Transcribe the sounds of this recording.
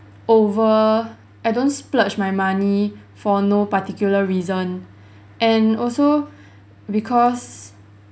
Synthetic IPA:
ʔovə | ajdõnsplɛt͡ʃmajmãni | fɔnopatikjuləɹizə̃n | ʔɛ̃nɔlso | bikʰɔs

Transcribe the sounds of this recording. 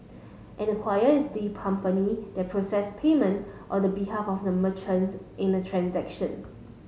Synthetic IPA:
ʔɛ̃nəkʰwajəɪsdikʰãmpənidɛt̚pʰɹosɛspʰemə̃ntʔɔdəbihafɔfdəmət͡ʃə̃nsʔɪ̃ndətʰɹɛ̃nzɛkʃə̃n

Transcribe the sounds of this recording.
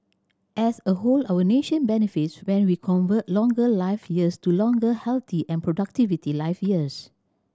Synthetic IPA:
ʔɛsəɦolawəneʃə̃nbɛnifɪtswɛ̃nwikʰɔ̃nvətlɔ̃ŋɡəlaɪfjiəstulɔ̃ŋɡəhɛlt̪ʰiʔɛ̃npɹodak̚tivitilaɪfjiəs

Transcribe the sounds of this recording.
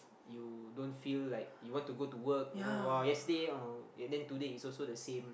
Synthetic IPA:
judõntfilːaɪk̚juwɔ̃ntuɡotuwək̚awajɛstədeɔɛ̃dɛ̃ntudeitsɔlsodəsẽm

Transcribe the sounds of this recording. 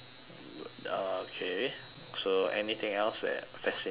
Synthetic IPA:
aokʰe | soɛnit̪ʰɪ̃ŋɛlsdɛ̰t̚fɛsĩ

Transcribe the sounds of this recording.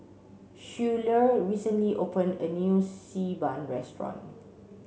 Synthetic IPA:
ʃuləɹisə̃nliʔopə̃ndənjusibãnɹɛstɹɔ̰̃n

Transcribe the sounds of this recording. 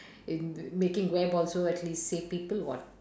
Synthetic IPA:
ɪ̃nmeːkɪ̃ŋʋɛbɔːlsoɛʈʰliːsʈseːpiːpəlʋɔ̰ʈ̚

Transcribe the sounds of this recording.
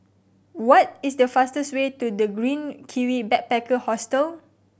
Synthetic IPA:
wɔt̚isdəfastəswetudəɡɹĩnkʰuwibɛk̚pɛkəhɔstəl

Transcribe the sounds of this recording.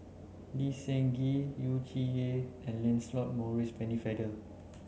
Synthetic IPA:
lisɛ̃ŋɡijud͡ʒieɛ̃nlĩnslɔt̚moɹispɛ̃nifɛdə

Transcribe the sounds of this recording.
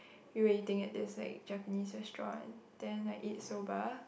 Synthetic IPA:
biwejutɪ̃ŋkɪt̚dɪsla̰ɪk̚d͡ʒapənisɹɛstɹɔ̰̃nd̥ɛ̃naɪʔitsobə

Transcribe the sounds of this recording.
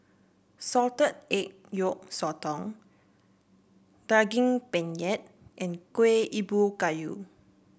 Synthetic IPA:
sɔltət̚ek̚jok̚sɔtɔ̃ŋ | daɡĩŋpɛ̃njɛt̚ | ʔɛ̃nkweibukajṵ

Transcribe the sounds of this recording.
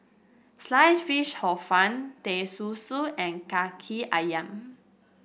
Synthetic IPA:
slajsfɹiʃhɔfãnt̪esusuɛ̃nkakʰiʔajãm

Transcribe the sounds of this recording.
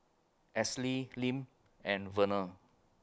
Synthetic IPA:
ʔɛslilĩm | ɛ̃nvənə

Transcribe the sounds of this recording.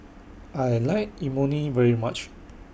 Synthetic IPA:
ʔajlaɪkimonivɛɹimat͡ʃ

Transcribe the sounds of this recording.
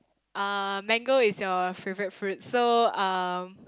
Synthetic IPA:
ʔʌmːɛ̃ŋɡoisjɔfevɹətfɹut̚soʌm

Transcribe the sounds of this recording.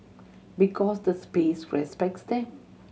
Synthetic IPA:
bikʰɔsdəspesɹɛspɛk̚tsd̪ɛ

